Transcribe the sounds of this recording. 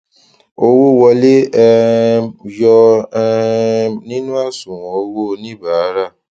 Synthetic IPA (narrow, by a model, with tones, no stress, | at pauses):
o˧wo˦˨wɔ˧le˦ɛ˧ | jɔ˧˦˧ | nĩ˦nũ˦a˦˨sũ˨wo˧˦wo˦˧nĩ˦˨ba˨˦ɾa˦˨